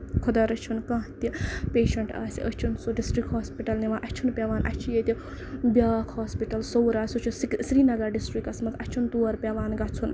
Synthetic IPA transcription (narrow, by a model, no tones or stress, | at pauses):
kʰud̪ɐɾɐt͡ʃʰunkãːɦt̪ipeːʃɐɳʈa̰ːsḭʔɐt͡ʃʰunsuɖisʈɾikhoːspiʈɐlniʋaʔɐt͡ʃʰunpʲeʋaːnʔɐ̰t͡ʃʰijet̪ʲi | bʲjaːkʰhoːspiʈɐlsowɾaːsʲut͡ʃʰussɾiːnɐɡɐɖisʈɾikɐsmɐɐt͡ʃʰunt̪uɐɾpʲeʋaːnɡɐt͡sʰun